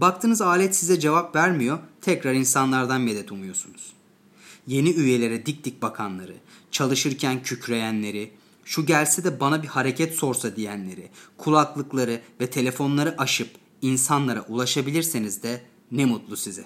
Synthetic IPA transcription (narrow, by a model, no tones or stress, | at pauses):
bak̚t̪ʰɯːnɯzaːlʲɛt̪sizɛd͡ʒe̞vapvæɾmijot̪ʰɛcɾaɾinsanlˠaɾd̪anmed̪ɛt̪ʰumujo̞sunuz̥ | je̞niyje̞lʲe̞ɾɛd̪ic̚d̪ic̚bakʰanlˠaɾɯ̰t͡ʃʰalˠɯʃɯɾcʰæncʰycʰɾe̞jænlːʲe̞ɾi | ʃuɟælʲsɛd̪ɛbanabihaɾe̞cʰɛt̪so̞ɾsad̪ijænlʲe̞ɾɪkʰulˠaklˠɯklˠaɾɯvɛt̪ʰe̞lʲe̞fo̞nlˠaɾɯʔaʃɯp | insanlˠaɾaʔulˠaʃabilʲiɾsenizd̪ɛ | nɛmut̪lˠusizɛ